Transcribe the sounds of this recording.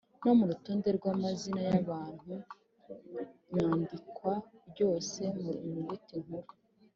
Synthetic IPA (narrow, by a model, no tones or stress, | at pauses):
no̞muɾuto̞ːnde̞ɾɡwamazinajaβaːn̥hu | ɲaːndikwaɾɟo̞ːse̞muɾuŋuβitiŋ̥huɾu